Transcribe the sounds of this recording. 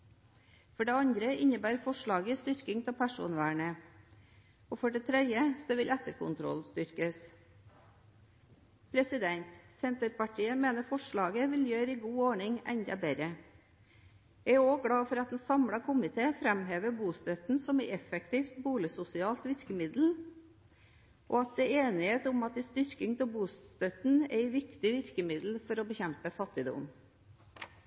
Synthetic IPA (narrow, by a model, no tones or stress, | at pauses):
fɔɖeːɑɲd̪ɾəɪɲəbæːɾfɔʂɭɑːɡəist̪ʏɾkɪŋt̪ʰɛpʰæʂṵːnʋæːɳə | ɔːfɔɖɛt̪ʰɾɛd̪jəsɔʋɪlɛt̪əɾkʰʊ̰nt̪ʰɾɔ̰lst̪ʏɾkəs | pʰɾɛsɪd̪ɛnt̪sɛnt̪ɾəɾpʰɑʈʰiːəmeːnəɾfɔʂɭɑːɡəʋɪljøːɾəiɡuːoːɳɪŋɛ̰ɲd̪ɑ̰bɛɾə | æoːɡɽɑːfɔɾɑt̪̚d̪n̩sɑmɽɑkʰʊmɪt̪ʰeːfɾɛmɦeːʋəbuːst̪œt̪n̩sɔmɛɛfɛkt̪ʰiːft̪buːlɪsʊsɪɑːlt̪ʋɪɾkəmɪd̪l̩ | ʔoːɑt̪̚d̪eːeːnɪheːt̪ʊmɑt̪̚ɛst̪ʏɾkɪŋt̪ʰɪlbuːst̪œt̪n̩æɪʋɪkt̪ɪʋɪɾkəmɪd̪l̩fɔɾɔbəçɛmpəfɑt̪ːɪd̪ʊ̰m